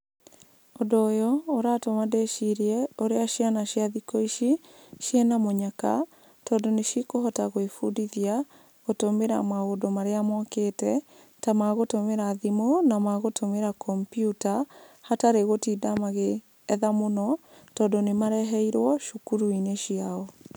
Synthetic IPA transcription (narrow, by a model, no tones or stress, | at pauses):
odoːjɔoɾatomadeʃiɾiɛoɾeaʃianaʃjaðikɔiʃiʃjɛnamoɲaka | tɔːndoneʃikohɔtaɣoefudiðia | ɣotomeɾa̰maɣodomaɾeamɔketɛ | tamaɣotomeɾaðimonamaɣotʰomeɾakʰɔmpjutahataɾeɣotiːdamaɣeː | ðamonɔ | tɔːndonemaɾɛɦɛiɾwɔʃukuɾuineʃiaɔ